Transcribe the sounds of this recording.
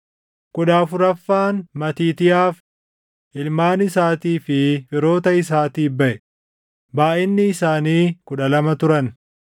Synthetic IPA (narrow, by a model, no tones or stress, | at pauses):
kʊᶑaːfʊɾɐfːaːnmɐt̪iːt̪ɪjaːf | ʔɪlmaːnɪsaːt̪iːfɪfɪɾo̞ːt̪ɐɪs̬aːt̪iːbɐʔɛ | baːʔɪnːɪːsaːniːkʊᶑɐlɐmɐt̪ʊɾɐn